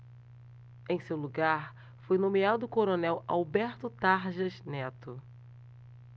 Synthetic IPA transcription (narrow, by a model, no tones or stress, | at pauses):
ẽj̃sewluɡaɾ | fojnõmead̪ʊːkoɾonɛwa̰wbɛɾt̪ʊt̪aɾʒɐznɛt̪ʊ